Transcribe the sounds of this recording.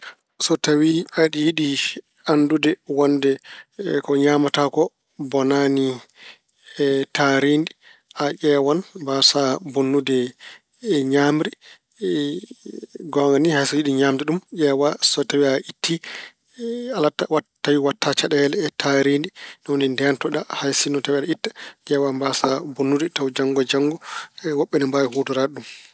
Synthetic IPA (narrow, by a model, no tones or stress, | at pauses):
sɔtawiaɗijiɗi | andudɛwɔndɛkɔɲamatakɔ | bɔnani | taɾindi | ʔaʔɛːwanbasabunːudɛ | ɲaːmɾi | ɡɔŋɡanihajsɔjiɗiɲaːmdɛɗumʔɛwasɔtawiaʔitːi | alaawatːawiwatːat͡ʃaɗɛɛlɛːtʰaɾindinɔwnindɛntɔɗahajsinɔtawiaɗaitːḁd͡ʒɛːwanbasabonːudɛtawd͡ʒaŋɡɔd͡ʒaŋɡɔwɔɓːɛnɛmbawihutuɾaɗum